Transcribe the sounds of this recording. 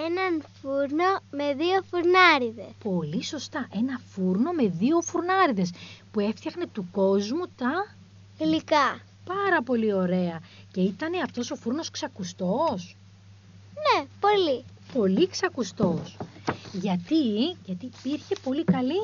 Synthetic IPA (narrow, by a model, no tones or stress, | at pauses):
enɐnfuɾnome̞ðiofuɾnɐɾiðespo̞liso̞st̪ɐʔe̞nɐfuɾno̞me̞ðio̞fuɾnɐɾiðe̞spue̞ft̪çɐxne̞t̪uko̞zmut̪ɐ | ilikɐ | pɐɾɐpo̞lio̞ɾe̞ɐce̞it̪ɐne̞ɐft̪o̞so̞fuɾno̞sksɐkust̪o̞s | nepo̞li | po̞liksɐkust̪o̞sʝɐt̪iʝɐt̪ipiɾçe̞po̞likɐli